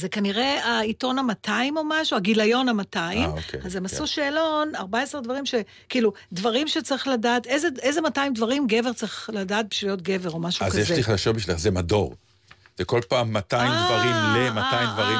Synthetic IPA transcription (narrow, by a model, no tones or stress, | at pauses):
zekaniʁe̞aito̞namatʰaimo̞maʃuaɡilajo̞namataimmokeazemasuʃeːlo̞naʁbaesʁedvaʁimʃe̞ | kiːlu | dvaʁimʃe̞t͡saɐʁiχladaːte̞jzeejze̞mataimdvaʁimɡe̞ve̞ʁt͡saʁiχladaːt̚biʃlijo̞t̚ɡe̞veʁo̞maʃuazkjeʃlliχalaʃobiʃileχzemadoʁ | z̥eko̞lpaːmːatajimd̪vaʁimlemat̪ajmd̪vaʁim